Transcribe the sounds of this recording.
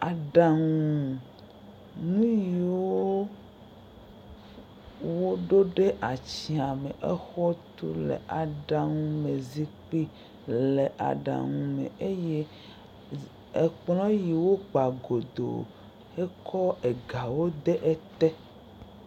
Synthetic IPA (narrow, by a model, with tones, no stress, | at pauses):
a˨ɖa˨ŋũ˨ | nũ˦ji˨woo˦ | wo˦ɖo˦ɖe˦ʔa˨t͡ɕi˨a˨mḛ˨ʔɛ˦xɔ˦t̪ṵ˦lḛ˨ʔa˨ɖa˨ŋũ˦me˨zi˦k͡pi˦ | le˨ʔa̰˨ɖa̰˨ŋũ˨mḛ̃˨e˦je˦ | e˨k͡plɔ̃˦ji˨wo˦k͡pa˨ɡo˨d̪o̰˨ | e˦kʰɔ˦e˨ɡa˨wo˦d̪e˦ʔe˦t̪ɛ˦